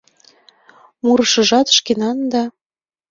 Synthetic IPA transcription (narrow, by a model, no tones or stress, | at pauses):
muɾɤʃɤ̆ʒɑt̪ʃkenɑnd̪ɑ